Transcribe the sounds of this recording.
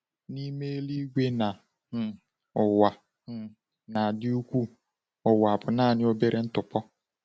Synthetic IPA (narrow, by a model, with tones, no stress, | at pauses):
ni˦me˦e˦li˦ɡʷe˦na˨ | ʊ˨wa˨˦˨ | na˨dɪ˦u˦kʷu˦ | ʊ˨wa˨bʊ˨naː˦˨nɪ˦o˦be˦ɾe˦n̩˦tʊ˨pɔ˦